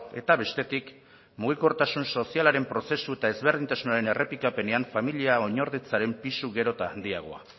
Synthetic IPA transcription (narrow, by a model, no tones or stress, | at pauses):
e̞t̪aβe̞st̪e̞t̪ik | muɣ̞iko̞ɾt̪asunso̞sialaɾe̞mpɾo̞se̞sue̞t̪ae̞zβeɾð̞int̪asunaɾe̞ne̞rʔe̞pikape̞ne̞aɱfamiliao̞ɲo̞ɾðit͡saɾe̞mpisuɣe̞ɾo̞t̪aːnd̪iaɣ̞o̞a̰